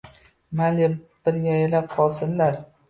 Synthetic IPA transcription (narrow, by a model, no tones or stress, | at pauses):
malɪb̥ɪɾɡʲajlap̚qʰɒlˠsɪnlaɾ